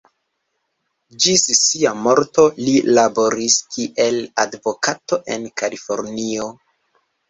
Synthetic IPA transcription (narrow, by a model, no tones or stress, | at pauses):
d͡ʒissiamo̞ɾto̞lilabo̞ɾiskiʔe̞ladvo̞kato̞ʔe̞nkalifo̞ɾnio